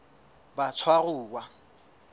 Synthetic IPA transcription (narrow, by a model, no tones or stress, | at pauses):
bat͡sʰwarʊːwa